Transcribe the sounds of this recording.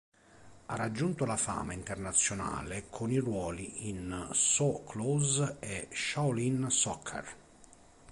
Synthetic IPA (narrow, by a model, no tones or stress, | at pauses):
a̰rad͡ʒːunt̪ʊlafa̰ːmaint̪ɛrnat̪sːjona̰ːlekʰʊnirwɔːliinsɔkʰlɔzeʃawlinsɔkʰːa̰r